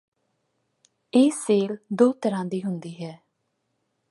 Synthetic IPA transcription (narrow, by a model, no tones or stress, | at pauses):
eːseːld̪oːt̪əɾãːd̪iːɦʊnd̪iːɦɛː